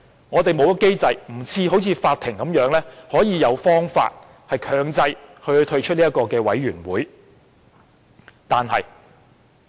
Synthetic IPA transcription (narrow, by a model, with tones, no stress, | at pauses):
ŋɔː˨˧t̪e˨jmo˨˧wjɐ˥ke˥jt͡sɐ˧jm̩˨˩t͡sʰiː˧ho˨˥wt͡sʰiː˨˧faː˧t̪̚ʰːɪ˨˩ŋkɐ˨˥mjœː˨˥ŋlɛː˥hɔː˨˥jiː˨˧jɐ˨˧wfɔː˥ŋfa̰ː˧t̚ | hɐ˨jkʰœː˨˧ŋt͡sɐ˧jhɵ˧hɵ˧jt̪ʰɵ˧ɥt͡ʃʰɵ˥t̚niː˥t̚kɔː˧kɛː˧wɐ̰˨˥jɥyː˨˩nwuː˨˥j | t̪aː˨nhɐ̰˨j